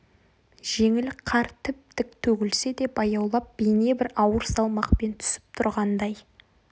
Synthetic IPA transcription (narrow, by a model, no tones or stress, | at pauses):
ʒ̥e̞ŋɪlqʰɑɾt̪ʰɪp̚t̪ɪk̚t̪ʰɵɡʲɪlse̞d̪e̞pɑjɑwlˠɑp̚b̥ejne̞bɪɾɑwəɾsɑlˠmɑqpe̞nt̪ʰʏ̥sɪ̥p̚t̪ʰʊɾʁɑnd̪ɑj